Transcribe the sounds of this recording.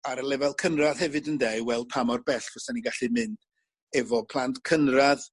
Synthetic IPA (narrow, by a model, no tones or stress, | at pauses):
aɾəlˠɛvɛlˠkʰənrað̥hɛvɨdəndewɛl̚ˠpʰamɔrbɛɬvɔsaniɡaɬɨmɪnd̥ | ɛvɔpʰlˠantkʰənrað